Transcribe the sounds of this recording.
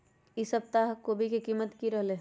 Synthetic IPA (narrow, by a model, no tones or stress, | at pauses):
ɪsəp̚t̪aɦkobʱikikiːmət̪kiɾɐɦle